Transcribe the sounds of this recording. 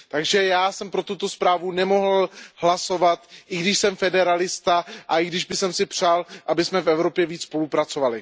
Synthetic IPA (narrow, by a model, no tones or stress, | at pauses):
t̪aɡʒɛjaːsɛmpɾo̞t̪ut̪o̞spɾaːvunɛmo̞ɦl̩hlaso̞vat̪ʔɪɡdɪʃsɛmfɛdɛɾalɪst̪aʔaʔɪɡdɪʒbɪsɛmsɪpr̝̥aːlʔabɪsmɛfɛvɾo̞pjɛviːt͡sspo̞lupɾat͡so̞valɪ